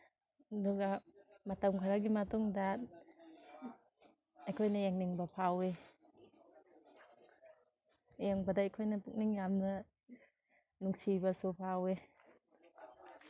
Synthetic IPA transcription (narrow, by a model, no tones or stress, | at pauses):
duɡamat̪aŋkʰaɾaɡimatɔŋdat̚ | ajkʰɔjnajaŋniŋbapʰawe | jaŋbadajkʰɔjnapuk̚niŋjamna | nuŋsibasopʰawe